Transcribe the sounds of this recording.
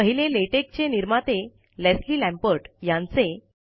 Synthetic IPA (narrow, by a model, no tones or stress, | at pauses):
əɦileleʈek̚t͡ɕeniɾmat̪e | lesliːlæ̃mpəɾʈjãnt͡se